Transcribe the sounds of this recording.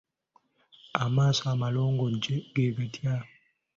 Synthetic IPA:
amaːsamalɔːŋɡɔd͡ʒeɡebetia

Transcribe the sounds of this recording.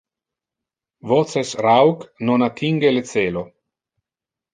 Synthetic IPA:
vɔt̪sesrawknonat̪ʰiŋɡelet̪seːlo

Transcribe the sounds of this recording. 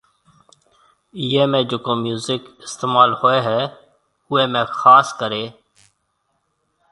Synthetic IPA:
iːeːmẽːd͡ʒoːkoːmjuːzɪkɪst̪eːmaːlhoːeːɦɛː | ʊeːmẽːxaːskəɾeː

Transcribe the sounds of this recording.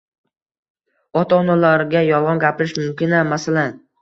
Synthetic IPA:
ɒt̪ʰaːnalaɾɡʲajɒlɒnɡʲapɪɾɪʃmʊmkʲɪnamasalan

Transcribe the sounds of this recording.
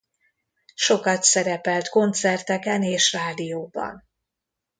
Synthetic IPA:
ʃo̞kɒt̪sɛɾɛpɛlt̪ko̞nt̪sɛrt̪ɛkɛneːʃraːd̪ijoːbɒ̰n

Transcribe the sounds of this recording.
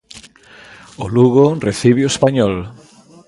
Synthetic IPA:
oluɣoreθiβeoespaɲɔl

